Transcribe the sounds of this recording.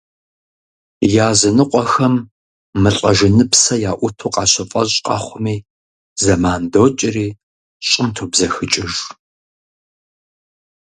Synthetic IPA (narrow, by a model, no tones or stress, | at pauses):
jaːzɐnɨqʷʼɔxɐmː | ɨɬʼɐʒɪnɨpsɐjaːʔʷʊtʰuːqʼɑːɕʰɐfʼɐʑʼqʼɑ̰χʷʊmiː | zɐmaːndoːt͡ʃʼɪriː | ɕʼɪmtʰuːbzɐxɨt͡ʃʼɪʒ